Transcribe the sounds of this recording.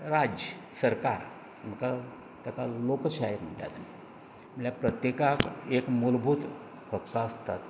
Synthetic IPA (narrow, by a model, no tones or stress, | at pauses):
ɾad͡ʑəsəɾkaɾ | m̤əka | t̪akalokɕaɦeɾm̤əɳʈa̰t̪ani | m̤əɭjapɾət̪jekakekmulbʱuːt̪ | fəkt̪aəst̪a̰t̪